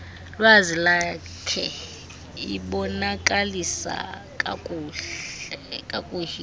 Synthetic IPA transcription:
lwazila | kʰɛ̰ | iɓɔnakʼalisa̰ | kʼakʼː | kʼakʼuhi

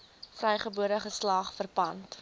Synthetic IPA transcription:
frɛjχəbuəɾəχəslɑːχfərpɐnt

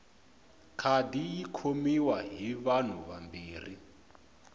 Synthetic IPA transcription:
kʰadijikʰomiwaɦiβan̤uβambiːri

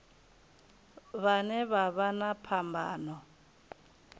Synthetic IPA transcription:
βanɛβaβanapʰambʱa̰ːnɔ

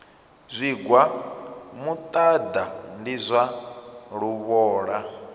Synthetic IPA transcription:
zʷiɡwa | mut̪ʼad̪andizʷaɺuβɔːɺa

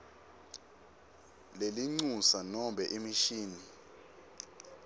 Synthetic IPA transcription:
leliŋ͡ǀusanɔmɓʱɛʔimiʃiːni

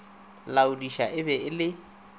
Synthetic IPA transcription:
laudiʃaʔɪbɛɪlɪ

